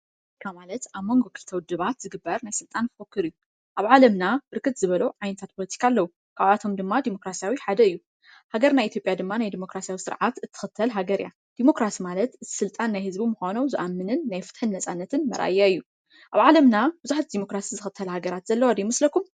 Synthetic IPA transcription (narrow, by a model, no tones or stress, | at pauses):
ot̪ikʰamalɐt̪ʔaβmo̞ŋɡo̞kʰɨlt̪ʰɐwd̪ɨβat̪zɨɡɨbːɐɾnajsɨlt̪ʼanfokːɨɾiju | ʔaβʕalɐmnab̥ɨɾkʰɨt̪zɨβɐluʕajnɐt̪ʰat̪̚pʰo̞lɐt̪ʰi̥kʰaːlːɐwu | kʰaβat̪ʰo̞md̪ɨmːad̪imo̞kɾasijawiħad̪ɐɨjːu | haɡɐɾnajit̪ʰjo̞pʼjad̪ɨmːanajd̪imo̞kɾasijawisɨɾʕat̪ɨt̪ʰːɨ̥xɨt̪ʰːɐlɦaɡɐɾja̰ | d̪̥imo̞kɾasimalɐt̪ɨt̪ʰsɨlt̪ʼanːajhɨzbimuxonowzɨʔamːɨnɨnːajfɨ̥t̪ħɨnːɐsʼanːɐt̪ʰɨnmɐ̰ɾʔa̰jːaɨjːu | ʔaβʕalɐmnab̥ɨzuħat̪̚d̪imo̞kɾasizɨxɨt̪ʰːɐlhaɡɐɾat̪zɐlːɐwad̪imɨslɐkum